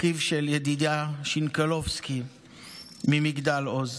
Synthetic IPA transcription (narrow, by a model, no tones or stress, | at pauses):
kivʃeljed̪id̪aʃinkalovski | mimiɡd̪aloz